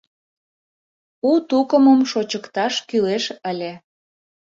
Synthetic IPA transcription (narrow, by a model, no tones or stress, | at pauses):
ut̪ukəməmʃot͡ɕəkt̪ɑʃkyleʃəlʲe